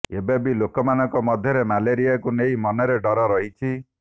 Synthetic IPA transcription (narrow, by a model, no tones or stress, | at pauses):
ebabilokɔmanɔkɔmɔd̪ʱjɔɾemaleɾijakunejmɔnɔɾeɖɔɾɔɾɔɦit͡ʃʰi